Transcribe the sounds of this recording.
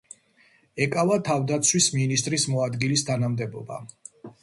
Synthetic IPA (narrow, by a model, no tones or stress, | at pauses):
ɛkʼavat̪ʰavd̪at̪sʰwisminist̪ʼɾismɔad̪ɡilist̪ʰanamd̪ɛbɔba̰